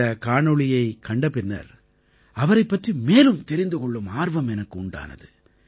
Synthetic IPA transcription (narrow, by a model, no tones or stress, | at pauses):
ɐkaːɳɯɭɪjɐɪkɐɳɖɐpːɪnːɐ̰ɾ | ɐʋɐɾɐɪpːɐʈrimeːlɯmt̪ɛɾɪnd̪ɯkɔɭːɯmaːɾʋɐmɛnɐkːɯʊɳɖa̰ːnɐ̰ðɯ